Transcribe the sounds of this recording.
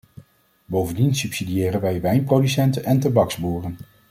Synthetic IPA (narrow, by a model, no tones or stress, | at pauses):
bowvəndinsɵpsidijɪːrənʋɛjʋɛjnprowdysɛntənɛntɑbɑkzbuːrən